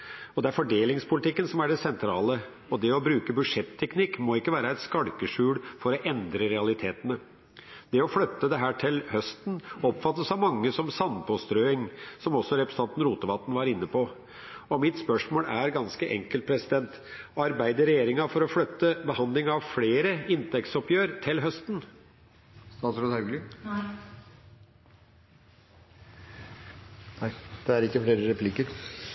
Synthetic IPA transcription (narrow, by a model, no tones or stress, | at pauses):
ɔd̪ɛæɾfɔɖeːlɪŋspʰʊlɪt̪ɪkːənsɔmæɖɛsɛnt̪ʰɾɑ̰ːlə | ɔd̪ɛɔbɾʉːkəbʉʂɛt̪ʰːɛknɪkːmɔɪkːəʋæːɾəæɪt̪skɑɽkəʂʉːɽfɔɾɔʔɛnd̪ɾəɾɛɑlɪt̪ʰeːt̪ənə | d̪̥ɛɔfɽœt̪ːəd̪ɛɦæːʈʰɪlhœst̪n̩ɔpfɑt̪ːəsɑʋmɑŋːəsɔmsɑnpʰɔst̪ɾøːɪŋsɔmɔsːɔɾɛpɾɛsəɑnt̪n̩ɾuːt̪əʋɑt̪ːn̩ʋɑɾɪnːəpʰo | ɔmɪt̪spœʂmoːlæɾɡɑnskəʔɛ̰ŋkəlt̪̚pʰɾɛsɪd̪ɛnt̪ | ɑɾbæɪd̪əɾɛjeːɾɪŋɑfɔɾɔflœt̪ːəbəhɑnd̪lɪŋɑʋfleːɾəɪnt̪ʰɛkt̪sɔpjøːɾt̪ʰɪlɦœst̪n̩ | st̪ɑːsɾoːd̪hɑʉɡlɪ | næɪd̪̥ɛæɾɪkːəfleːɾəɾɛpʰlɪkəɾ